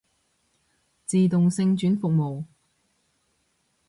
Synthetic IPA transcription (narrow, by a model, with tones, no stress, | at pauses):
t͡siː˨t̪ʊ˨ŋsɪ˧ŋt͡ʃyː˨˥nfʊ˨k̚mo˨w